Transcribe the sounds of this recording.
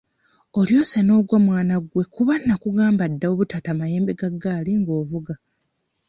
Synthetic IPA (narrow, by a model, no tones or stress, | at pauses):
o̞ljo̞ːsano̞ːɡwamwaːnaɡwe̞kuβanːakuɡaːmbadːaoβutataːmaje̞ːmbe̞ɡaɡːaːliŋɡo̞ːvuɡa